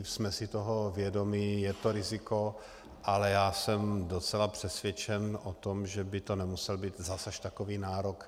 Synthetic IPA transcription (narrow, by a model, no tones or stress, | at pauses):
smɛsɪt̪oɦovjɛdo̞miːjɛt̪o̞ɾɪzɪko̞ | ʔalɛjaːsɛmdot͡sɛlapr̥ɛsvjɛt͡ʃɛnʔot̪omʒɛbɪt̪o̞nɛmusɛlbiːt̪zasaʃt̪akoviːnaːɾok